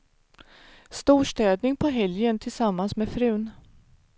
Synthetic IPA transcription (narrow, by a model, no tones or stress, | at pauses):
st̪uːʂʈɛːd̪nɪŋpʰɔɦɛljənt̪ʰɪlsamːansmɛfɾʉ̟ːn